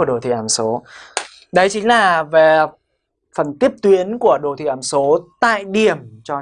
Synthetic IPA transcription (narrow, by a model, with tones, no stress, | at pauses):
ɗo˨˩t̪ʰḭ˧˨˩ʔaː˨˦mso˨˦ | ɗə˨˦jt͡ɕï˨˦ŋ̟laː˨˩ve˨˩ | fə˨˩nt̪i˦˥əp̚t̪wi˨˦ənku˧˩əɗo˨˩t̪ʰi˧˨aː˨˦mso˨˦t̪a̰ː˧˨jɗi˨˩əmt͡ɕɔ˧